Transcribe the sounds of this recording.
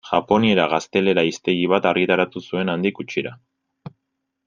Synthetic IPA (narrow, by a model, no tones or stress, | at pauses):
ʝapo̞nie̞ɾaɣ̞ast̪e̞le̞ɾaist̪e̞ɣiβ̞at̪arɣit̪aɾat̪usue̞nand̪ikut͡ʃiɾa